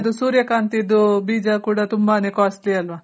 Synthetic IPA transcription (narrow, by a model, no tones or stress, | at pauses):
d̪usuːɾjɐkaːnt̪id̪ːubiːd͡ʒakuːɽat̪umbaːneːkaːsʈliɐlʋa